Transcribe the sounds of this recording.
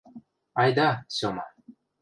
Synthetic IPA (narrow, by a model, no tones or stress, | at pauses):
ɑjd̪ɑsʲomɑ̰